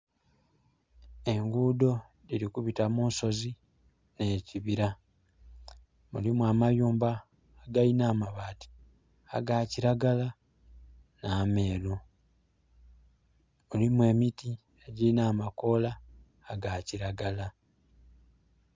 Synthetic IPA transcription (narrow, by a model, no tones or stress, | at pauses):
e̞ŋɡuːdo̞ | dilikuβitamunso̞zi | neːciβiɾa | mṵlimwaːmajuːmbaː | ɡainaːmaβaːti̥ | a̰ɡaːciɾaɡala | naːme̞ːlo | olimwe̞ːmiti | eɟiinaːmako̞laː | ɡaːciɾaɡala